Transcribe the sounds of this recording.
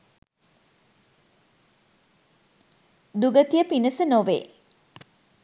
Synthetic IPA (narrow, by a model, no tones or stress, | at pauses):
d̪uɡət̪ijəpinəsənoʋḛː